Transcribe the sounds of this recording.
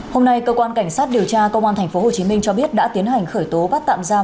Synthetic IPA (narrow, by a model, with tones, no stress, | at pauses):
ho˧mna˧jkəː˧kwaː˧nka˧˩jŋ̟saː˦˥t̚ɗi˨˩əwt͡ɕaː˧kə˧wŋ͡mʔaː˧nt̪ʰɛ˨˩ŋ̟fo˨˦ho˨˩t͡ɕi˨˦mï˧ŋ̟t͡ɕɔ˧ɓi˦˥ət̚ɗa̰ː˧˥t̪i˨˦ənha˨˩jŋ̟xəː˧˩jt̪o˨˦ɓaː˦˥t̪a̰ː˧˨mzaː˧